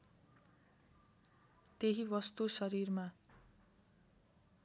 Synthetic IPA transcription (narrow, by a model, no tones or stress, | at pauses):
t̪eɦibʌst̪usʌɾirma